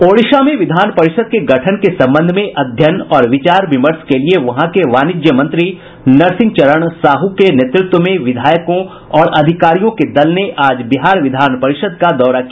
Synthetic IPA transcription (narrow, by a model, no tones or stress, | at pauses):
oːɽɪʃamẽʋɪd̪ʱaːnpɐɾɪʃəd̪̚keɡɐʈʰənkesɐ̃mbə̃nd̪ʱmẽʔɐd̪ʱjənɔːɾʋɪt͡ʃaːɾʋɪməɾskelieʋɐɦãkeʋaːnɪd͡ʒjəmɐ̃nt̪ɾi | nɐɾsɪ̃ŋɡt͡ʃɐɾəɽ̃saːɦukenet̪ɾʊt̪wəmẽʋɪd̪ʱaːjəkõ | ɔːɾɐd̪ʱɪkaːɾijõked̪ɐlneʔaːd͡ʒbɪɦaːɾʋɪd̪ʱaːnpɐɾɪʃəd̪̚kad̪ɔːɾakia